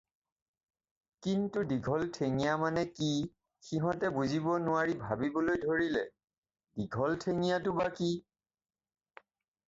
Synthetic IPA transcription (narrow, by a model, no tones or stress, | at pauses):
kintudiɡʱɔltʰeŋijamanɛki | xiɦɔ̃tɛbuzibɔnʊaɹibʱabibɔlojdʱoɹilɛ̰ | diɡʱɔltʰeŋijatʊbaki